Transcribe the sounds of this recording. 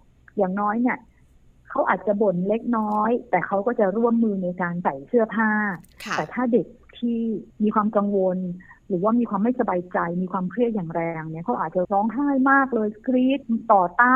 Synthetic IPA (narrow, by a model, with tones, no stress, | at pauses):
jaː˨˩ŋnɔː˦˥jni˥˩ɐ | kʰa˦˥wʔaː˨˩t̪̚t͡ɕa˨˩bo˨˩nle˦˥k̚nɔː˦˥jt̪ɛː˨˩kʰa˦˥wkɔː˥˩t͡ɕa˨˩ɾu˥˩əmːɯː˧na˧jkaː˧nsa˨˩jsɯ˥˩ɐpʰaː˥˩t̪ɛː˨˩t̪ʰaː˥˩de˨˩k̚t̪ʰiː˥˩miː˧kʰwaː˧mka˧ŋwo˧nɾɯː˩˦waː˥˩miː˧kʰwaː˧mːa˥˩jsa˧baː˧jt͡ɕa˧jmiː˧kʰwaː˧mkʰɾɯ˥˩ət̪̚jaː˨˩ŋɾɛː˧ŋni˥˩ɐkʰa˦˥wʔaː˨˩t͡ɕa˨˩ɾɔː˦˥ŋɦaː˥˩jmaː˥˩k̚lɤː˧jskɾiː˦˥t̪̚t̪ɔː˨˩t̪aː˥˩